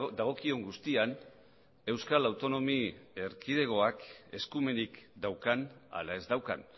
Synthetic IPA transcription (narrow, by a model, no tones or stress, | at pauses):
d̪aɣ̞o̞kio̞ŋɡust̪ian | e̞wskalawt̪o̞no̞mieɾkið̞e̞ɣo̞ake̞skume̞nikd̪awkana̰lae̞zd̪awka̰n